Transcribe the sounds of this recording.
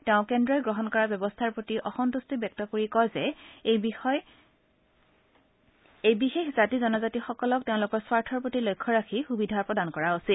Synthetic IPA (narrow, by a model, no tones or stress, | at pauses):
teʊ̃kɛndɹɔjɡɹɔɦɔnkɔɹabjɔbɔstʰaɹpɹotiʔɔxɔntustibjɛk̚tɔkoɹikɔjzɛ | ejbixexzatizɔnɔzatixɔkɔlɔk̚teʊ̃lʊkɔɹswaɹtʰɔɹpɹotilojkʰːɔɹakʰixubidʱapɹɔdankɔɹaosil